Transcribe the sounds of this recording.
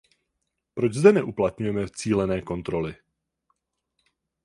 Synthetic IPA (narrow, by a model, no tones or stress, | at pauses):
pɾo̞d͡ʒzdɛnɛʔuplat̪ɲujɛmɛt͡siːlɛnɛːko̞nt̪ɾo̞lɪ